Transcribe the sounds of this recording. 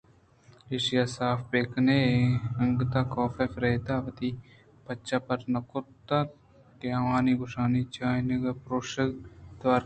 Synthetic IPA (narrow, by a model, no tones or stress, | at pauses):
eʃɪjaːsaːfbeːkʰneːeɐ̃ŋɡt̪aːkɔːfeːfɾeːd̪aːʋət̪iː | pətːt͡ʃaːpəɾnɐkʊt̪aː | keaʋaːniɡʊʃaːnit͡ʃaːneɡɐpɾoːʃəd̪ʋaːɾ